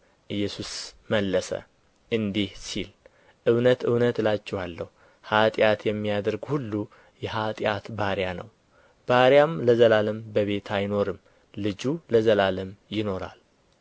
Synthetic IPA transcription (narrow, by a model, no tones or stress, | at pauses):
ʔɨjːɛsusməlːəsə̰ | ʔɨnd̪ihsil | ʔɨwnət̪ɨwnət̪lat͡ʃːɛhalːəhu | hat̪ʼjat̪jɛmːijad̪əɾɡhulːu | jɛɦat̪ʼjat̪baɾjanə̰w | b̥aɾjamləzəlaləmbəβe̞t̪ʰajno̞ɾɨm | lɨd͡ʒuləzəlaləmjɪno̞ɾa̰l